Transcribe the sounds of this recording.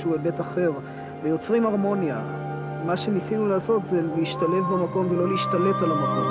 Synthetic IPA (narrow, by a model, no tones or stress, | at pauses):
uebe̞taχe̞ʁ | vejo̞t͡sʁimaʁmo̞nja̰ | maʃe̞nisinulaːso̞t̪zeliiʃt̪ale̞vbamako̞mvelo̞leiʃt̪ale̞talamako̞̰m